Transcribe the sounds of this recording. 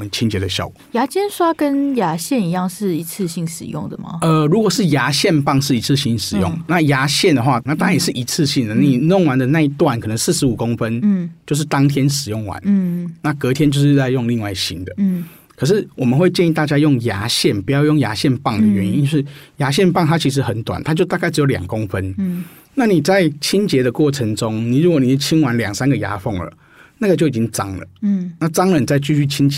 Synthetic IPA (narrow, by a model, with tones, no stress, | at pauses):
mə˦nt͡ɕʰi˦nt͡ɕjɛ˨˧d̪ə˨ɕjɑ̰˥˩ʊkja˧˥t͡ɕjɛ˥nʂwa˦˥kə˦˥nja˧˥ɕjɛ˥˩ni˨˦jɑ˥˧ŋʂɻ̩˥˩i˧˥t͡s̩ʰ˥˧ɕi˥˩ŋʂɻ̩˨˩jʊ̰˥˩ŋd̪ə˩mɐ̰˨ə˨ɻu˧˥kwɔ˨˩ʂɻ̩˥˩ja˧˥ɕjɛ˥˧npɑ˥˧ŋʂɻ̩˥˩i˧˥t͡s̩ʰ˥˩ɕi˧˥nʂɻ̩˨˩jʊ̰˥˨ŋna˥˨ja˧˥ɕjɛ˥˩nd̪ə˩xwa˥˧˨na˥˩t̪ʰa˥jɛ˨˩ʂɻ̩˥˩ʔi˧˥t͡s̩ʰ˥˧ɕi˥˩ŋd̪ə˩na˥ni˨˩no˥˨ŋwa˧˦nd̪ə˨na˥˧i˥t̪wa˥˩nkʰɤ˨˩nə˧˦ŋs̩˥˩ʂɻ̩˧˦u˨˩ko˦ŋfə˦n̩˥˩t͡ɕjo˥˧ʊʂ̬̩˥˩t̪ɑ˥ŋt̪ʰjɛ˦nʂɻ̩˨˩jʊ˥˩ŋwa̰˧˦n˥na˥˩kɤ˧˥t̪ʰjɛ˥nt͡ɕo˥˧ʊʂɻ̩˥˧t͡sa˥˧ɪjo˥˧ŋli˥˧ŋwa˥˩ɪɕḭ˥nd̪ə˨˦˩ | kʰə˨˩ʂ̬ɻ̩˥˩wɔ˨˩mə˨nxwe˥˧ɪt͡ɕjɛ˥˧ni˥˧t̪a˥˩t͡ɕja˥jo˥˩ŋja̰˧˥ɕjɛ˥˩npu˧˥jɑ˥˧ʊjŋja̰˧˥ɕjɛ˥˧npɑ˥˩ŋd̪ə˨ɥɛ˧˦ni˧˦˥ʂɻ̩˥˩ja˧˥ɕ̬jɛ˥˧˨npɑ˥˩ŋt̪ʰa˥t͡ɕʰi˧˥ʂ̬ɻ̩˧˥xə˨˩˦nt̪wa̰˨˩nt̪ʰa˥t͡ɕjo˥˧ʊt̪a˥˧ka˥˩ɪʈ͡ʂɻ̩˧˥o˧ʊljɑ̰˨˩ŋko˦˥ŋfə˦n | na˥˩ni˨˩t͡sa˥˩ɪt͡ɕʰi˥nt͡ɕjɛ˧˥d̪ə˧kwɔ˥˩ʈ͡ʂʰə˧˦ŋʈ͡ʂo˦ŋni˨˩ɻu˧˦kwo˧˦ni˨˩˥t͡ɕʰi˥nwa˧˦nljɑ˨˩ŋsa˦nɡə˨ja̰˧˥fɔ˥˩ŋlə̰˩ | na˥˩ɡə˩t͡ɕjo˥˩ʊ˨˩t͡ɕi˦˥ŋʈ͡ʂɑ˦˥ŋlə̰˨na˥˩ʈ͡ʂɑ˥ŋlə˨n˨t͡sa˥˧ɪt͡ɕy˥˧ɕy˥˩t͡ɕʰi˦nt͡ɕ